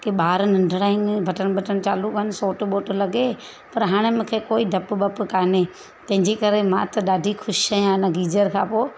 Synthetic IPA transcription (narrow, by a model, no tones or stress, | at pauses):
kiɓaːɾnɐ̃ɳɖʱɽaːinɪbʱɐʈəɽ̃ɓʱɐʈəɽ̃t͡ɕaːlukɦnɪsoːʈɓoːʈlɐɡe | pɐɾɦaːɽ̃emʊ̃ːkʰekoːiɖʱɐpbɐpkaːne | t̪ɐ̃ɦɪ̃ɲd͡ʑikɐɾemãːt̪ɐɗaːɖʱixʊʃaːĩãːnə̃ɡiːd͡ʒəɾkʰãːpoː